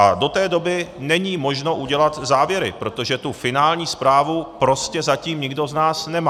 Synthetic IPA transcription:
ʔado̞t̪ɛːdo̞bɪnɛɲiːmo̞ʒnoʔuɟɛlat̪zaːvjɛɾɪ̰pɾo̞t̪o̞ʒɛt̪ufɪnaːlɲiːspɾaːvupɾo̞scɛzaciːmɲɪɡdo̞znaːsnɛma

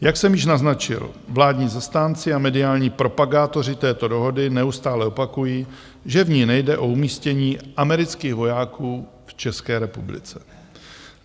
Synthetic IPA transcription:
jaksɛmjɪʃnaznat͡ʃɪ̰lvlaːdɲiːzast̪aːnt͡sɪamɛdɪaːlɲiːpɾo̞paɡaːt̪o̞r̝ɪt̪ɛːt̪o̞do̞ɦo̞dɪnɛust̪aːlɛo̞pakujiː | ʒɛvɲiːnɛjdɛʔo̞umiːscɛɲiːʔamɛɾɪt͡skiːɣvo̞jaːkuː | ft͡ʃɛskɛːɾɛpublɪ̰t͡sɛ̥

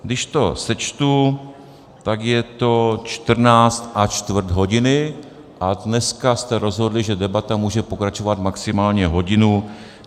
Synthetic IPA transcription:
ɡdɪʃt̪o̞̰sɛt͡ʃt̪u | t̪akjɛt̪o̞t͡ʃt̪r̩naːt͡st̪ʔat͡ʃt̪vr̩d̪ɦo̞ɟɪnɪ | ʔadnɛskast̪ɛɾo̞zɦo̞dlɪʒɛdɛbat̪amuːʒɛpo̞kɾat͡ʃo̞vat̪maksɪmaːlɲɛɦo̞ɟɪnu

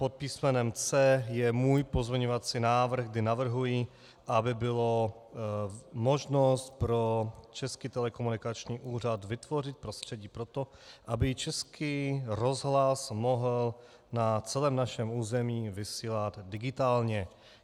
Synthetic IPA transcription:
pot̪̚piːsmɛnɛmt͡sɛjɛmuːjpozmʲɛɲovat͡sinaːvr̩ɣɡdɪnavr̩ɦujɪ | ʔabɪbɪlo | mo̞ʒno̞st̪pɾo̞t͡ʃɛskit̪ɛlɛkomunɪkat͡ʃɲiːʔuːr̝ad̪vɪt̪vo̞rɪt̪̚pɾost̪r̝̥ɛɟiːpɾo̞t̪oʔabɪt͡ʃɛskʰiːɾo̞zɦlasmoɦl | nat͡sɛlɛːmnaʃɛmuːzɛmiːvɪsiːlad̪dɪɡɪt̪aːlɲɛ

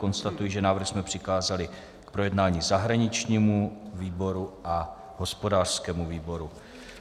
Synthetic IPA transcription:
ko̞nst̪at̪ujiʒɛnaːvr̩xsmɛpr̥ɪxaːzalɪ | kpɾo̞jɛdnaːɲiːzaɦɾaɲɪt͡ʃɲiːmuviːbo̞ɾuʔa | ɦo̞spo̞daːr̥skɛːmuviːbo̞ɾu

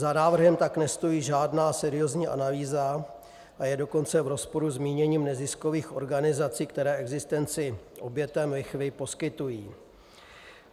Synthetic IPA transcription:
zanaːvr̩ɦɛmt̪aknɛst̪o̞jiːʒaːdnaːsɛɾɪjo̞zɲiːʔa̰naliːza | ʔajɛdo̞ko̞nt͡sɛvɾo̞spo̞ɾuzmiːɲɛɲiːmnɛzɪsko̞viːxʔo̞ɾɡanɪzat͡siːkt̪ɛɾɛːʔɛɡzɪst̪ɛnt͡sɪʔo̞bjɛt̪ɛmlɪxvɪpo̞skɪt̪ujiː

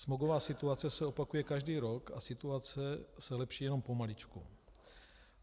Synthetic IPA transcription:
smoɡovaːsɪt̪uat͡sɛsɛo̞pakujɛkaʒdiːɾokasɪt̪uat͡sɛsɛlɛpʃiːjɛno̞mpo̞malit͡ʃkṵ

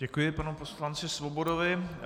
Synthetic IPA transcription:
ɟɛkujɪpanuposlant͡sɪsvobodovɪ

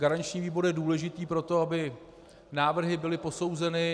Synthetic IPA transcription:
ɡaɾaɲt͡ʃɲiːviːbo̞ɾjɛduːlɛʒɪt̪iːpɾo̞t̪o̞abɪ | naːvr̩ɦɪbɪlɪpo̞sowzɛnɪ

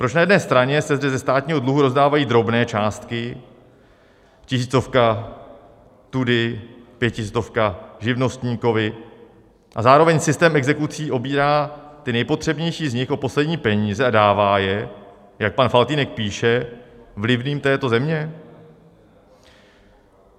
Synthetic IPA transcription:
pɾo̞t͡ʃnajɛdnɛːst̪ɾaɲɛsɛzdɛzɛst̪aːt̪ɲiːɦo̞dluɦuɾo̞zdaːvajiːd̪ɾo̞bnɛːt͡ʃaːst̪kɪ | cɪsiːt͡so̞fka | t̪udɪpjɛcɪst͡so̞fkaʒɪvno̞st̪ɲiːko̞vɪ | ʔa̰zaːɾo̞vɛɲsɪst̪ɛːmɛɡzɛkut͡siːʔo̞biːɾaːt̪ɪnɛjpo̞t̪r̝̥ɛbɲɛjʃiːzɲɪxʔo̞po̞slɛdɲiːpɛɲiːzɛadaːvaːjɛ | jak̚panfalt̪iːnɛk̚piːʃɛvlɪvniːmt̪ɛːt̪o̞zɛmɲɛ

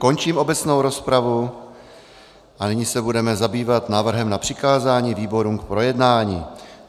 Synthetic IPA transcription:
ko̞nt͡ʃiːmʔo̞bɛt͡sno̞wɾo̞spɾavu | ʔanɪɲisɛbudɛmɛzabiːvat̪naːvr̩ɦɛmnapr̥ɪkaːzaːɲiːviːbo̞ɾuːmk̚pɾo̞jɛdnaːɲḭː

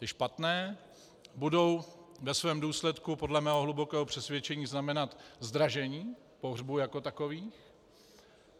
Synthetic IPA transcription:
t̪ɪʃpat̪nɛː | budo̞wvɛsvɛːmduːslɛt̪kupo̞dlɛmɛːɦoɦlubo̞kɛːɦopr̥ɛsvʲjɛt͡ʃɛɲiːznamɛnat̪zd̪ɾaʒɛɲiː | po̞ɦrbujako̞t̪ako̞viːx

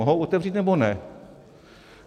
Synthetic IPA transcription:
oɦowʔot̪ɛvriːt̪nɛbonɛ

